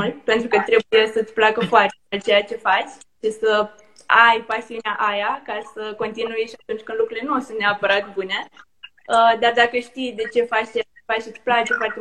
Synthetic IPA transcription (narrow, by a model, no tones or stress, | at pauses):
ulpe̞nt̪ɾukət̪ɾe̞uje̞sət̪sʲplakəfoart̪eat͡ʃe̞jat͡ʃe̞fat͡ʃʲ | ʃisə | ajpasiuneaʔajakasəko̞nt̪inujeʃiat̪unt͡ʃʲkɨnd̪lukɾuile̞nuosunt̪neapəɾat̪bune̞ | əd̪ard̪akəʃt̪ijd̪e̞t͡ʃe̞fat͡ʃt͡ʃeat͡ʃefat͡ʃʃit̪sʲplakt͡ʃefoart̪e